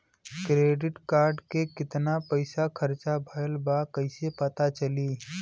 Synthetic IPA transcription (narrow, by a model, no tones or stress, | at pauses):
kɾeːɖɪʈkaːɾɖkekɪt̪napəɪsakʰɐɾt͡ʃabʱəjəlbakɐɪsepət̪at͡ʃəliː